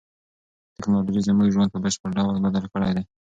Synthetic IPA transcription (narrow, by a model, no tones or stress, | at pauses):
t̪ɪknɑlɑd͡ʒijzəmuʒwand̪pəbəʃpəɾɖawəlbad̪əlkəɽajd̪aj